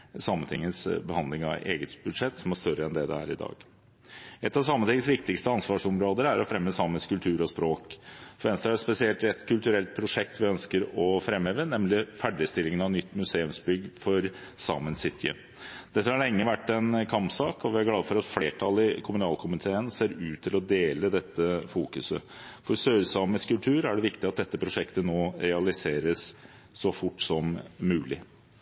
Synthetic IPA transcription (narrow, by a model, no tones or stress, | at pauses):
sɑmːənt̪ʰɪ̰ŋːəsbəhɑnd̪lɪŋɑ̰ḛːɡət̪bʉd̪ʂɛt̪ːsɔmæʂt̪œɾəɛnd̪ɛd̪ɛ̰hæ̰ːɾɪd̪ɑ̰ːɡ | ɛt̪ːɑʋsɑmːənt̪ɪŋːəsʋɪkt̪ɪkst̪əɑnsʋɑːʂɔmɾoːd̪əɾæɾɔfɾɛmːəsɑməskʉlt̪ʰʉːɾɔspɾoːkfɔʋɛnst̪ɾəæɛt̪spɛsɪɛlt̪ɛt̪kʰʉlt̪ʉɾɛlt̪̚pʰɾʊʂɛk̚t̪ʋɪœnskəɾɔfɾɛmheːʋənɛmlɪfæɖɪst̪ɪlːɪŋənɑʋnʏt̪ːmʉseːʉmsbʏɡːfɔɾsɑ̰mənsɪt̪ʰɪə̰ | d̪̥ɛt̪ːəhɑɭɛŋːəʋæʈːɛnkʰɑmpsɑːkɔʋɪæɾɡlɑːd̪əfɔɾɑt̪fleːʈʰɑlɪkʰʊmʉnɑːlkʰʊmɪt̪ʰeːənseːɾʉːt̪ʰːɪlɔd̪eːləd̪ɛt̪ːəfuːkʉsə̰fɔɾsøːɾsɑːməskʉlt̪ʰʉːɾæɖɛʋɪkt̪ɪɑt̪̚d̪ɛt̪ːəpʰɾʊʂɛkt̪ənoːɾɛɑlɪseːɾəsː | ɔfʊʈːsɔmːʉːlɪ̰